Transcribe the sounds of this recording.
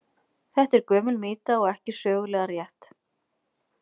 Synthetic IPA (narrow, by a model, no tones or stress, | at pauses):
θɛht̪ɛɾkœːmʏlmɪːt̪aɔɣɛhcɪsœːɣʏlɛːɣaɾjɛht̪